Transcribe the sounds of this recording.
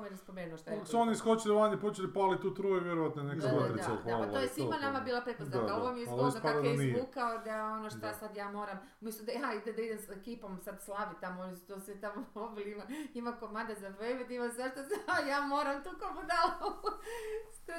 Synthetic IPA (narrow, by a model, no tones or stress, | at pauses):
mjɾaspomʲjeɾnuoʃt̪oako̥suoniiskot͡ʃililand̪ipot͡ʃelipalˠit̪uːt̪ɾujeʋjeɾoʋat̪nonekemat̪ɾisaaʋalt̪ojjesimanamabiːlˠapɾepozd̪nakaoʋomjeialosotp̪aɾd̪ainiukaod̪aonoʃt̪osad̪jaːmo̞ːɾam | umest̪od̪ajaid̪ed̪aid̪emsekipo̞msad̪slˠaʋit̪amoonisu̥t̪osʋit̪amoobilimaimakomand̪azapɾeʋed̪imozaʃt̪osajaːmo̞ːɾamt̪uːkomod̪a | t̪